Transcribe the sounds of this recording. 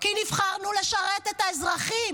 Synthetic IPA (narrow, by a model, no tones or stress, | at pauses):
kinivχaʁnule̞ʃaʁet̪et̪aezʁaχim